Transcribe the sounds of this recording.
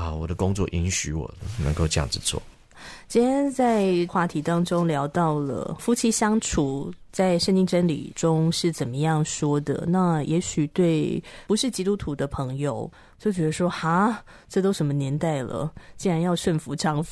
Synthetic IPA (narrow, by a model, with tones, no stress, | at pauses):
a˧wɔ˨˩d̪ə˦kʊ˥˦ŋt͡swɔ̰˥˧ʔi˧˥nɕy˧˥wɔ̰˨˩nə̰˧ŋko˥˧ʊt͡ɕjɑ̰˥˨˩ŋd͡z̩˨t͡sʰwɔ̰˥˩ | t͡ɕi˥njɛ˥nt͡sa˥˧ɪxwa˥˩t̪ʰi˧˥t̪ɑ˥ŋʈ͡ʂʊ˥ŋljɑ˧˥ʊt̪ɑ˥˩ʊlə̰˩fu˥t͡ɕʰi˧˥ɕjɑ˥ŋʈ͡ʂʰu˨˩t͡sa˥˩ɪʂə˥˧ŋt͡ɕi˥ŋʈ͡ʂə˥nlḭ˨˩ʈ͡ʂʊ˥ŋʂɻ̩˥˩t͡sə˨˩nmə˦jɑ˥˩ŋʂwɔ˥d̪ə̰˨na˥˩jʔɛ˧˥ɕy˨˩t̪we˥˩ɪpu˧˦ʂɻ̩˥˩t͡ɕi˥t̪u˥t̪ʰu˧˥d̪ə˧pʰɤ˧˥ŋjo˨˧ʊ | t͡ɕjo˥˩ʊt͡ɕɥɛ˧˥d̪ə˧ʂwɔ˥xa˧˥ | ʈ͡ʂɤ˥˩t̪o˥ʊʂə˧˥nmə˧njɛ˧˥nt̪a˥˩ɪlə̰˩t͡ɕi˥ɻa˧˥njɑ˥˧ʊʂwə˥˩nfu˧˥ʈ͡ʂɑ˥˩ŋf